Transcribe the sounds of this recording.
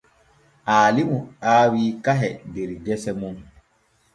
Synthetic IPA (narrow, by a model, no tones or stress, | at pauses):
ʔaːlimuaːwiːkaɦɛdeɾɡɛsɛmun